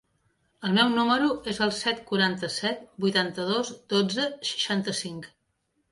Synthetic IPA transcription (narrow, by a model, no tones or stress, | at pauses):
əlˠmɛwnuməɾuʔezəlˠsɛt̪kuɾant̪əsɛt̪̚bujt̪ant̪əð̞ozd̪od͡zəʃə̥ʃant̪əsiŋk